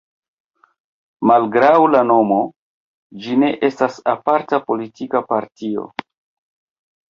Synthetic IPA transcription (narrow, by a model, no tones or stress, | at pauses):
malɡɾawlano̞mo̞ | d͡ʒine̞ʔe̞stasapaɾtapo̞litikapaɾtio̰